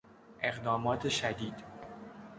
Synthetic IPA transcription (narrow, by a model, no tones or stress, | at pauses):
ʔe̞ɣd̪ɒːmɒːt̪ʰeʃæd̪iːd̪̥